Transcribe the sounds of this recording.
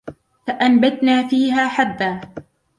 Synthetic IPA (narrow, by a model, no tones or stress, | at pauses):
faʔambat̪naːfiːɦaːħad̪ːaː